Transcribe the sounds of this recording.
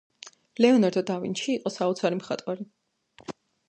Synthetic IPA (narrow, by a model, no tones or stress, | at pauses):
lɛɔnaɾd̪ɔd̪avḭnʃiːqʼɔsaut̪sʰaɾimχat̪ʼwaɾi